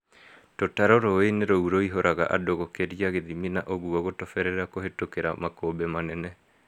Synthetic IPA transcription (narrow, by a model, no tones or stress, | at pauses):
totaɾoɾoeneɾouɾoiɦoɾʔaɣa̰ʔadoɣokeɾiaɣeðiminaʔoɣuɔɣotɔfɛɾɛɾakoɦetokeɾa̰makoːbemanɛnɛ